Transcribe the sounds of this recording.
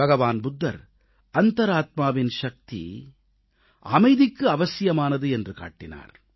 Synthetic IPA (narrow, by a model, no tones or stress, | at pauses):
bɐɣɐʋaːnbʊd̪ːɐ̰ɾ | ɐnt̪ɐɾaːt̪̚maːʋɪnʃɐk̚t̪ḭ | ɐmɐɪðɪkːɯɐʋɐsɪjɐmaːnɐðɯɛndrɯka̰ːʈːɪna̰ːɾ